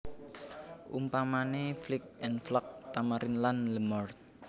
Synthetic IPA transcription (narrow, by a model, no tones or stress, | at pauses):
ʔṵmpamaneflɪk̚ʔɛnflɔk̚t̪amaɾʔɪnlanləmɔrt̪̚